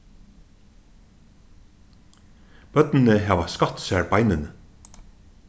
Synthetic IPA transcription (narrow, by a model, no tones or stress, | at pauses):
b̥œt̪nn̩əɦæːʋɑskɑt̪sæɹbaɪnɪnə